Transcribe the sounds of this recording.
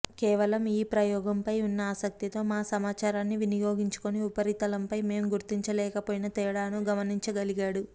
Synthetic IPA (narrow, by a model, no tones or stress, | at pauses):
kɛːʋɐlɐmiːpɾɐjɔːɡɐmpɐjunːɐaːsɐk̚t̪it̪o̞ːmaːsɐmaːt͡ʃaːɾaːnːiʋinijo̞ːɡiɲt͡ʃu̥koniupɐɾit̪ɐlɐmpɐjme̞ːmɡuɾt̪iɲt͡ʃɐlɛːkɐpoːjinɐt̪ɛːɽaːnuɡɐmɐniɲt͡ʃɐɡɐliɡaːɽu